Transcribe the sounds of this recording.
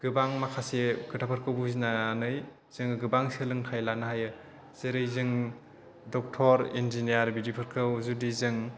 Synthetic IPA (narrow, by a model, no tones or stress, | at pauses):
ɡ̥ɯbaŋmakʰaseɡɯtʰapʰɯɾkʰɯwbuzinaːnɯj | z̥ɯŋɡɯbaŋselɯŋtʰajlanaɦajɯ | z̥eɾɯjzɯŋ | dɔk̚tʰɔɾenzinijaɾbidipʰɯɾkʰɯwzudizɯŋ